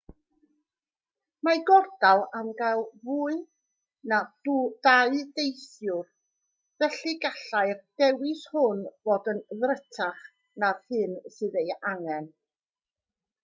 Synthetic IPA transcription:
maɡɔrdalˠamɡalˠvuːɨ | nad̥ud̥aɨdejθjʊr | v̥ɛɬiɡaɬajrd̥ɛwɪshʊnvoːdənðrətʰaχ | naðhɨnsɨðejaŋɛn

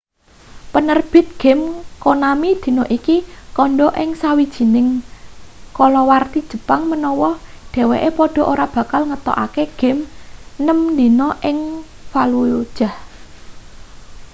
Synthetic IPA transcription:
pənərb̥ɪ̤t̪̚ɡ̥ɛ̤mkonamid̪̥i̤nɔʔikikɔɳɖɔʔɪŋsawid̥ʒ̥i̤nɪŋ | kɔlɔwart̪id̥ʒ̥ə̤paŋmənɔwɔ | ɖ̥ɛ̤weʔepɔɖ̥ɔ̤ʔoɾab̥ä̤kalŋət̪ɔ̰ʔa̰keɡ̥ɛ̤mnəmnd̪inɔʔɪŋ | falud̥ʒ̥a̤h

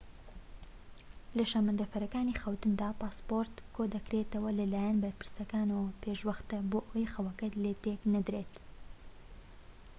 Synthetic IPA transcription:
lɐʃaːmɨnd̪ɐfɐɾɐkaːniːxɐwt̪ɨnd̪aːpaːspoɾt̪kʰod̪ɐkɾet̪ɐwɐlɐlaːjanbɐɾpɨ̥ɾsɐkaːnɐwɐpʰeʃwɐxt̪ɐboːʔɐwɐjxɐwɐkɐt̪let̪eknɐd̪ɾeːt̪

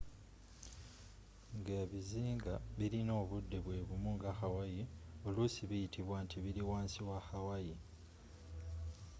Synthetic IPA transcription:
ŋɡeːβiziːŋɡaβiɾino̞ːβudːe̞βwe̞ːβumuŋɡaxawajio̞lusiβijitʰiβwantʰiβiɾiwaːnsiwaxawaji

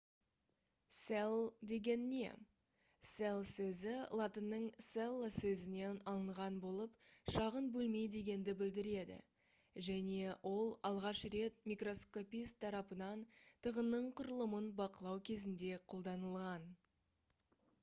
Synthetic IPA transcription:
selˠd̪e̞ɡʲe̞nːe̞̰ | selˠsɵzɪlˠɑt̪ənːəɴselˠːsɵzɪne̞nɑlˠəɴʁɑnbo̞lˠəpʃɑʁənbɵlme̞jd̪e̞ɡʲe̞nd̪ɪbɪld̪ɪɾe̞d̪ɪ̰ | ʒæne̞wʔo̞lˠɑlˠʁɑʃre̞t̪̚mʲijkro̞sko̞pʲijst̪ʰːɑɾɑpənɑnt̪ʰəʁənːəɴqʰʊɾəlˠəmənbɑqəlˠɑwkʲʰe̞zɪnd̪e̞qʰo̞lˠd̪ɑnəlˠʁɑn

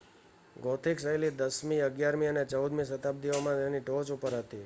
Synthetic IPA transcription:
ɡot̪ʰiksəjlid̪əsmiəɡjaɾmiənet͡ʃəud̪misət̪ab̚d̪iomãt̪eniʈot͡ʃupəɾɦət̪i

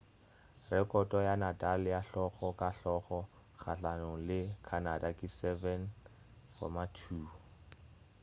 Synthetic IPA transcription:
rɛkʼɔtʼɔjanatʼalɪjaɬɔχɔkʼaɬɔχɔ | χa̰ɬanɔlɪkʰanadakʼisɛvɛn | fɔ̰matʰuː

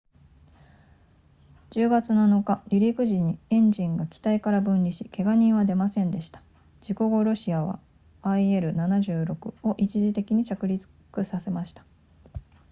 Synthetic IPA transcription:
d͡ʑ̥ɨːɡat͡sɨnano̞kaɾʲiɾʲikɯ̟ʑiɲ̟iẽ̞ɲd͡ʑĩŋɡakʲi̥t̪aikaɾabɯ̟̃nɾʲiɕike̞ɡaɲ̟ĩɰ̃βad̪e̞masẽ̞nd̪e̞ɕi̥t̪ḁ | d͡ʑiko̞ɡo̞ɾo̞ɕiaβa̰ | aie̞ɾɯ̟nanaʑɨːɾo̞kɯ̟o̞ʔit͡ɕiʑit̪e̞kʲiɲ̟it͡ɕakɯ̟ɾʲit͡sɨ̥ | kɯ̟sase̞maɕi̥t̪ḁ

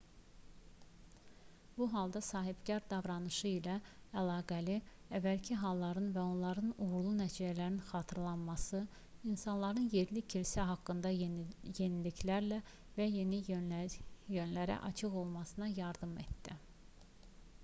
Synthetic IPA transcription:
b̥uɦɑlˠd̪ɑsɑːɦibcɑɾd̪ɑvɾɑnɯʃɯilæælˠɑːɡæli | ævːælcʰiɦɑlˠːɑɾɯnvæo̞nlˠɑɾɯnuɣɾlˠunæt͡ʃʰijælæɾinxɑːt̪ʰɯɾlˠɑnmɑsɯ | insɑnlˠɑɾɯnje̞ɾlicʰilsæɦɑkːɯnd̪ɑje̞nilicʰlæɾlæ | væje̞ni | jønlæɾæ̰ʔɑ̰t͡ʃʰɯɣo̞lˠmɑsɯnɑjɑɾd̪ɯme̞̰t̪d̪ḭ

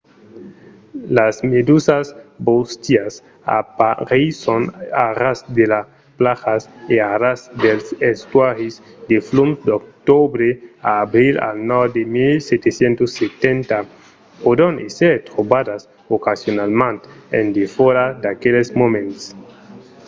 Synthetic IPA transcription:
lasmed̪usasbost̪jas | a̰paɾisonaɾasd̪ela | plaxaseaɾasd̪elsest̪waɾisd̪eflumd̪ok̚t̪obɾeaːbɾila̰lnɔd̪emilset̪esjent̪oset̪ent̪a | pod̪oneseɾt̪ɾobad̪as | okasjonalmãnt̪ḛnd̪efoɾad̪akelesmomẽnt̪s

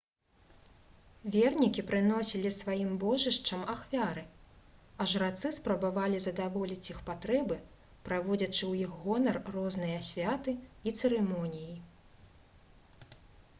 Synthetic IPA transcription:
vʲɛrnʲikʲipɾɨnɔsʲilʲisvajimbɔʐɨʂt͡ʂɐmaxvʲaɾɨ | aʐrat̪sɨspɾɐbavalʲizɐd̪avɔlʲit͡sʲixpat̪ɾɛbɨ | pɾavɔd͡zʲɐt͡ʂɨwjixɣɔnɐrːɔznɨjɐsʲvʲat̪ɨit̪sɨɾɨmɔnʲiji

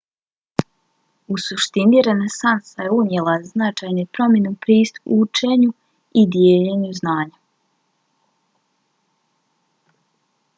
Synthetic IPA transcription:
usuʃt̪iniɾe̞ne̞sansaje̞umjelˠaznat͡ʃajnepɾo̞mjenupɾiːst̪u̥put͡ʃeɲu | id̪jeːʎeɲuznaːɲa

